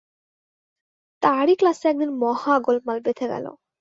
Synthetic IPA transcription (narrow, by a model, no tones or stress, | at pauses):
t̪aɾiklaseɛk̚d̪inmɔhaɡolpmalbet̪ʰeɡɛ̰lo̰